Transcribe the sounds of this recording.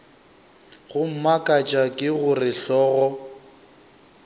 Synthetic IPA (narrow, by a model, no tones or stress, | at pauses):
ɣʊm̩makʼat͡ʃʼakʼɪɣʊrɪɬɔːɣɔ